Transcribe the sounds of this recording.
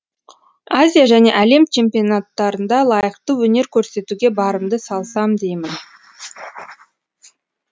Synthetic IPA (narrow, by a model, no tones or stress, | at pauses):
azʲijaʒæne̞̰ʔæle̞mt͡ʃʰe̞mpʲionat̪ːɑɾənd̪ɑlˠɑjəqt̪əwɵne̞ɾkʲʰɵɾse̞t̪uɡʲe̞bɑɾəmd̪əsɑlˠsɑmd̪e̞jmɪn